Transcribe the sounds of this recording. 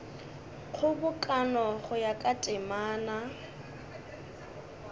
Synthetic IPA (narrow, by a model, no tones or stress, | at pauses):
χʰʊbʊkʼanɔχʊjakʼatʼɪmaːna